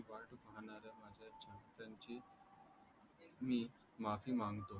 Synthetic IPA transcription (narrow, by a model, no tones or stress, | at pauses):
ʋaʈbəɦɳ̃aɾəmad͡ʑʱat͡ɕant̪jãɲt͡ɕi | mi | mafiːmãŋɡt̪o